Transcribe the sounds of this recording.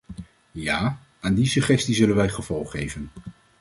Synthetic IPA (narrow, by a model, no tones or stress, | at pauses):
jaː | aːndisɵχɛstizɵlənʋɛjχəv̥ɔlˠχːejvən